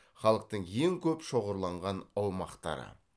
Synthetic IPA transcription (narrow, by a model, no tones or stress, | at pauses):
χɑlˠəq̚t̪əɴjeŋkʲʰɵpʃo̞ʁəɾlˠɑɴʁɑnɑwmɑqt̪ɑ̰ɾə̰